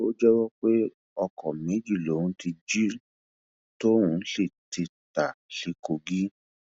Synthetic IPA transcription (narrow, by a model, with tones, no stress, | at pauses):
o˦d͡ʒɛ˦wɔ˦k͡pe˦ | ɔ˧kʰɔ˨mẽ˨˦d͡ʒi˦˨lo˨˦ũ˦ti˧d͡ʒi˦ɾi˨ | to˦ũ˦ɬe˦˨ti˧ta˨ɬi˨˧ko˧ɡi˦